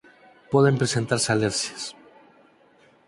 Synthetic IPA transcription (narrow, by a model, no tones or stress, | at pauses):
pweðe̞mpɾesent̪aɾsaleɾsjes